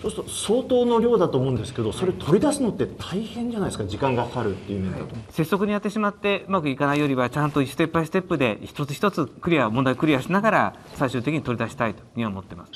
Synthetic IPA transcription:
sososo̞ːt̪o̞ːno̞ɾʲo̞ːd̪at̪oːmo̞ɯ̃nd̪esɨ̥ke̞d̪o̞so̞ɾe̞t̪ʰo̞ɾʲid̪asɨno̞t̪ːe̞t̪ʰaihẽ̞ɲ̟d͡ʑanaid̪eɨ̥kad͡ʑikãŋɡasaɾɯ̟t̪ːe̞jiɯ̟mend̪a̰t̪ose̞sːo̞k̬ɯ̟ɲ̟ijat̪ːe̞ɕimat̪ːe̞ɯmakɯ̟ikanaijoɾʲiβat͡ɕãnt̪oisɨ̥t̪e̞pːaisɨ̥t̪e̞pːɯ̟d̪e̞çi̥t̪o̞t͡sɨ̥çʲi̥t̪o̞t͡sɨkɾʲijaomond̪aiokɯ̟ɾʲijaɕinaɡaɾa | saiɕɨːt̪ekʲiɲit̪o̞ɾʲid̪aɕi̥t̪ait̪o̥ɲ̟iβamot̪ːe̞masɨ̥

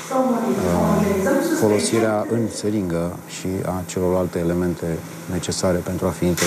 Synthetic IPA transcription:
fo̞lo̞siɾeaʔɨnseɾiŋɡə | ʃia̰t͡ʃe̞lo̞rlalt̪e̞ːle̞me̞nt̪ʰe̞ | ne̞t͡ʃe̞saɾe̞pe̞nt̪ɾuafiːnt̪e

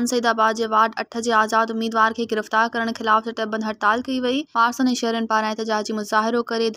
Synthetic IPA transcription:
nsɐiːd̪aːbaːd̪̚d͡ʑeːʋaːɾɖɐʈʰə̆d͡ʑeːaːzaːd̪ʊmːiːd̪ʋaːɾkʰeːɡɪɾəft̪aːɾkɐɾəɽ̃xɪlaːftɐʈɐbɐ̃nd̪ʱɦɐɾt̪aːlkɐiʋɐifaːɾsənẽʃɐɦɾiʊnɪ̆paːɾãeːt̪ɪd͡ʑaːd͡ʑiːmʊzaːɦɪɾokɐɾe

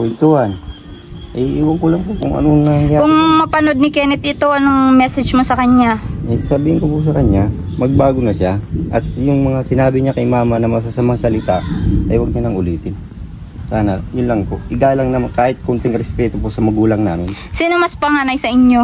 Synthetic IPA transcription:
wɪnt̪uhɐn | ɐiʔiːwɐŋkolɐŋpoʔkʊŋʔɐ̰nonɐŋjakʊŋmɐpɐno̞d̪̚nɪkɛnɛt̪̚ʔɪt̪o̞ʔɐnoŋmɛsɛd͡ʒmosɐkɐɲːaɐjsɐbiːhɪnkopʊsɐkɐɲɲamɐɡ̚baːɡonɐʃaʔɐt̪̚jʊŋmɐŋasɪnaːbɪɲakɐjmaːmɐnɐmɐs̬asɐmaŋsɐlɪt̪aʔʔɐjwɐɡ̚ɲɐnɐŋʊliːt̪ɪn | saːnɐjʊnlɐŋkoʔɪɡaːlɐŋnɐkaːhɪt̪̚kʊnt̪ɪŋɾɛspɛːt̪oposɐmɐɡuːlɐŋnaːmɪn | siːnomɐspɐŋanɐjsɐʔɪɲːo̞

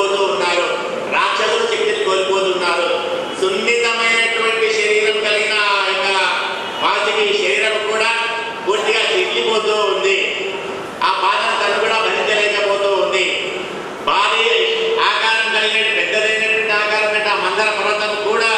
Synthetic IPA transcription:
oːt̪uːunːaːɾu | ɾaːkʂɐd̪uɾut͡ʃekt̪ːikikoːlipoːt̪unːaːɾu | sund̪it̪ɐmɐjnɐʈuʋɐɳʈiʃɐɾiːɾɐmkɐlɡinɐjikɐ | maːɾd͡ʒɐkiːjɐʃɐɾiːɾɐmukuːɽaː | kuːɾt̪ːiɡaːd͡ʒind͡ʒipoːt̪oːund̪i | aːpaːd̪ɐmt̪ɐlukuɽaːʋɐd̪id͡ʒ̪ɐlɛːkɐpoːt̪uːund̪i | baːɾiaːkaːɾɐmkɐlieːʈipɛd̪ːɐd̪ɐjnɐkɐɳʈiaːkaːɾɐɐʈaːmɐnd̪ɐɾɐpɐɾɐt̪ɐmkuːɽaː

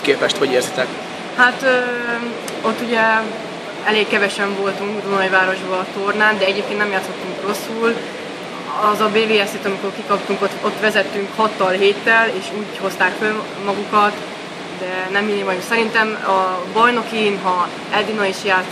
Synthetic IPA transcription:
keːpɛʃt̪ho̞ɟeːrzit̪ɛk | hat̪ø | o̞t̪ːuɟɛ | ɛleːkkɛvɛʃɛɱvo̞lt̪uŋɡd̪unɒivaːɾo̞ʒbɒt̪ornaːnd̪ɛɛɟeːp̚keːnt̪nɛmjaːt̪sʰhɒt̪ːuŋkro̞sːul | ɒzɒbeːveːɛset̪ɒmiko̞rkikɒpt̪uŋkot̪ot̪ʋɛzɛt̪ːyŋkhɒt̪ːɒlɦeːt̪ːɛleːʃuːɟho̞st̪aːkføl | mɒɡukɒt̪ | d̪ɛnɛmːinimɒjusɛɾint̪ɛmɒbɒjno̞kiːnɦɒ | ɛld̪inɒiʃjaː

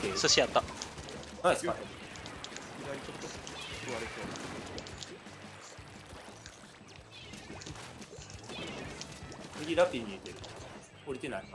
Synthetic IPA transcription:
esoɕiat̪ːa | aeska | iɡaɾit͡ɕot̪ːokɯβaɾeso̞ːd̪ese | t͡sɨɡʲiɾapʲːiɲiit̪eɾɯ̟ | oɾʲit̪enai

